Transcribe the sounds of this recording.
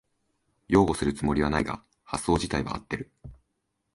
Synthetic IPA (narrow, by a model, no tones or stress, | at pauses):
jo̞ːɡo̞sɨɾɯ̟t͡sɨmo̞ɾʲiβanaiɡa̰ | hasːo̞ːʑit̪aiβa̰ːt̪ːe̞ɾɯ̟